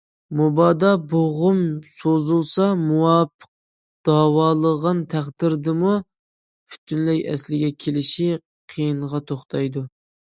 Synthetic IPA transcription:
mubɑːd̪ɑboʁʊmsozulˠsɑmuwɑpʰə̥q̚ | d̪̥ɑwɑːlˠəʁɑnt̪ʰæχd̪ɪɾd̪ɨmu | pʰy̥t̪ʰynlɛjɛ̰slɪɡʲɛkʲʰelɪʃi | qʰijinʁɑt̪ʰoχt̪ʰɑjd̪u

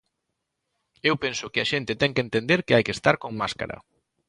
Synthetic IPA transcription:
ewpensʊkɪaʃent̪ɪt̪ɛŋkent̪end̪eɾkɪajkest̪aɾkoŋmaska̰ɾɐ̰

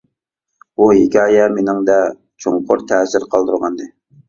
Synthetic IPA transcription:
buɦikʲɑːjɛmenɪŋd̪ɛ | t͡ʃʰoŋqʰʊɾt̪ʰɛːsɪɾqʰɑlˠd̪uɾʁɑnd̪ɨ

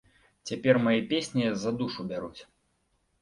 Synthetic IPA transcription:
t͡sʲapʲɛrmajɛpʲesʲnʲizɐd̪uʂubʲaɾut͡sʲ

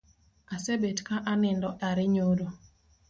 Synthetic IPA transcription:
asebetkaʔanɪndɔʔaɾɪɲoɾo

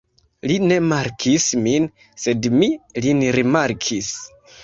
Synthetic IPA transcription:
line̞maɾkʰismin | se̞dmilinɾimaɾkʰis

